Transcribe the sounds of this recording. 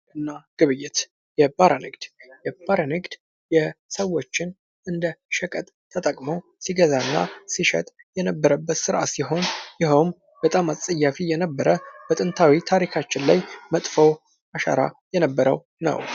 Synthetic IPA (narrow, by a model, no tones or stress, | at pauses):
ʔɨnːaɡ̥ɨβɨjːɪt̪ | jɛbaɾənɨɡd̪̥jɛb̥aɾənɨɡd̪̥ | jɛsəwːo̞t͡ʃːɪn | ʔɨnd̪əʃəkʼət̪ʼt̪ʰːət̪ʼəkʼməw | siɡəzaɨnːa̰siʃɛ̰t̪ʼ | jɛnəbːəɾəbːət̪sɨɾʔa̰siɦo̞njɪɦəwm | bət̪ʼamasʼəjːafijɛnəbːəɾəbət̪ʼɨnt̪ʰawit̪ʰaɾikʰat͡ʃːɪnlajmət̪ʼfəw | ʔaʃa̰ɾa̰jɛnəbːəɾə̰w | nə̰w